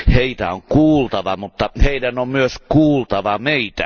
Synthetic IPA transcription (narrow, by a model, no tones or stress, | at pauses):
heit̪æoŋkuːlt̪ɑʋɑmut̪ːɑheidænommyøskuːlt̪ɑʋɑmeit̪æ̰